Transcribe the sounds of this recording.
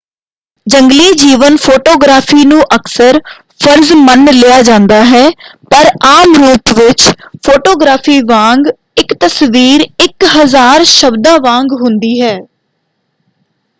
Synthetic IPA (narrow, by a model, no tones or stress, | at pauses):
d͡ʒəŋɡliːd͡ʒiːʋənpʰoːʈoːɡɾaːpʰiːnũːʔəksəɾ | pʰəɾzmənlɪjaːd͡ʒãːnd̪aːɦɛːpəɾaːmɾuːʈʋɪt͡ʃpʰoːʈoːɡɾaːpʰiːʋãːŋɡ | ɪkt̪əsʋiːɾɪkɦəzaːɾʃəbd̪ãːʋãːŋɡɦʊ̃nd̪iːɦɛː